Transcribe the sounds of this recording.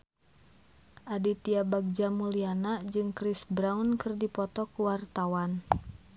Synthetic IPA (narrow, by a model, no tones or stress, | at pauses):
ʔadit̪iabaɡ̚d͡ʒamulianad͡ʒɨŋkɾɪsbɾawnkɨrdipɔt̪ɔkuwart̪awan